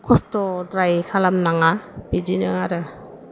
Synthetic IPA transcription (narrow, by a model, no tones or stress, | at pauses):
kʰɔstɔdɾajkʰalamnaŋab̥idinɯŋaɾɯ